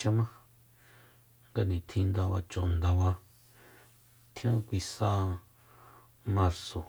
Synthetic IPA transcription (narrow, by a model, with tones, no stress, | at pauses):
t͡ʃa˦mã˦ | ŋɡa˧nĩ˨t̪ʰĩ˧nd̪a˧βa˧t͡ʃõ˨nd̪a˧βa˧ | t̪ʰj̃ã˦kʷi˧sa˦ | mã˧ɾso˨